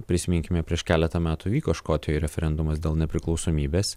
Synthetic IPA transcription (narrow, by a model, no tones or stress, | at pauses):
pʲɾʲɪsʲɪmʲɪŋʲkʲɪmʲɛpʲɾʲiɛʃkʲæːlʲɛt̪ɐmʲæːt̪uːʋʲiːkoːʃkoːt̪ʲɪjoːjɾʲɛfʲɛɾʲɛnd̪ʊmɐsd̪ʲeːlˠnʲɛpʲɾʲɪklˠɒʊsoːmʲiːbʲeːs